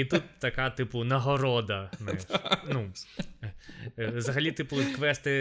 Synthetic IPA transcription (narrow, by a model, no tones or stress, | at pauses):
it̪ut̪ːɐkɑt̪ɪpʊnɐɦɔɾɔd̪ɐnʃnu | ʋzɐɦɐlʲit̪ɪpʊkʋɛst̪ɪ